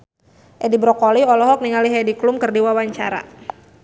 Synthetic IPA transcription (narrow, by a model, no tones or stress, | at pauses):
ʔɛdibɾɔkɔliɔlɔɦɔk̚niŋaliɦɛdiklumkɨrdiwawaɲt͡ʃa̰ɾa̰